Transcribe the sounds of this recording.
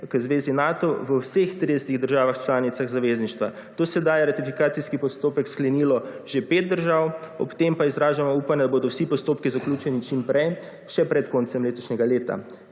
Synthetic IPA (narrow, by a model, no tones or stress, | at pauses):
kəzʋeːzinaːt̪ɔʋəwsext̪ɾid̪ɛsət̪iɣd̪əɾʒaːʋaxt͡ʃlaːnit̪saɣzaʋeːzniʃt̪ʋa | t̪oːsɛd̪ajɛɾat̪ifikaːt̪siskipɔst̪oːpɛksklɛniːlɔʒepeːt̪̚d̪əɾʒawɔ̰pt̪empaizɾaːʒamɔuːpanjɛd̪aboːd̪ɔwsipɔst̪oːpkizaklʲuːt͡ʃɛnit͡ʃimpɾɛj | ʃɛpɾɛt̪koːnsɛmleːt̪ɔʃnʲɛɡaleːt̪a̰